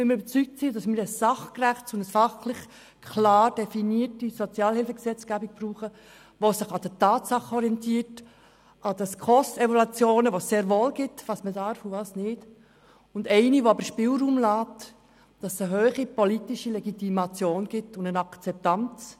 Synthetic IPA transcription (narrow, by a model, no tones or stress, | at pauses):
ɪmɾybət͡syk̚tsidɑsmɪɾəsːɑχkræχt͡sʊnəsfɑχlɪχ | kʰlɑːɾd̥ɛfiniətisɔt͡sjɑːlhɪlfəksɛt͡sɡ̥æːbik̚b̥ruːχə | ʋosɪχɑd̥ətɑːtsɑχɔɾiɛntiːərt | ɑd̥ɑskʰɔstɛvolut͡sjoːnəʋosːeːɾvoːlɡ̥ɪtvɑːsmədɑɾfuvɑːsnɪːd | ʊndɛɪniʋoɑbəʃpɪːlɾuːmlɑːt | d̥ɑsəɦøːχipɔlitiʃilɛɡitimɑt͡sjoːnɡ̥ɪtːʊndənɑkt͡sɛp̚tɑnt͡s